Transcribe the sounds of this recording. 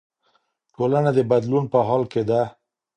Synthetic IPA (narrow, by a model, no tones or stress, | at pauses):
ʈolanad̪əbad̪lunpəɦɑlked̪a